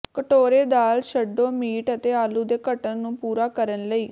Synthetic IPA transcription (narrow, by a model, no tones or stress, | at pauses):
kəʈoːɾeːd̪aːlʃəɖːõːmiːʈət̪eːaːluːd̪eːkəʈənnũːpuːɾaːkəɾənləiː